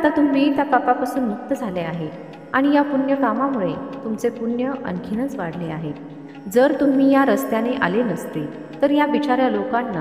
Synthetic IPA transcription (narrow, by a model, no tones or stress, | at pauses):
at̪at̪umɦiːt̪japapapasuːnmuk̚t̪əd͡zʱaleaɦe | aɽ̃ijapunjəkamamuɭet̪umt͡sepunjəʔə̰nkʰinət͡sʋaɽ̤leaɦe | d͡zəɾt̪um̤iːjaɾəst̪janeʔa̰lenəst̪e | t̪əɾjabit͡ɕaɾjalokanːa